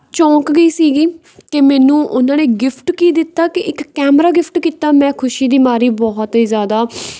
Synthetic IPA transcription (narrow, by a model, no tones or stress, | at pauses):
t͡ʃɔ̃ːkɡəiːsiːɡiː | t̪eːmɛːnũːʔʊnãːneːɡɪpʰʈkiːd̪ɪt̪ːaːkɪʔɪkːɛːmɾaːɡɪpʰʈkiːt̪aːmɛ̃ːkʰʊʃiːd̪iːmaːɾiːbɔːɦt̪ɦiːzjaːd̪aː